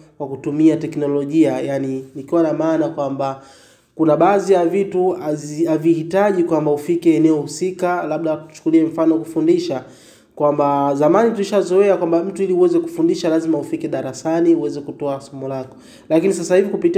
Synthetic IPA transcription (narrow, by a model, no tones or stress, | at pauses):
kwakutumiatɛknɔlɔʄiajaninikiwanamaːnakwamba | kunaɓaːzijavituazavihitaʄikwambaufikɛːnɛɔhusikalaɓ̚ɗatu̥u̥t͡ʃu̥kuliɛm̩fanɔakufundiʃa | kwambazamanituliʃazɔɛakwambam̩tuiliuwɛzɛku̥fundiʃalazimaufikɛɗaɾasaniuwɛzɛkutɔasɔmɔlakɔ̥ | lakinisasahivikupiti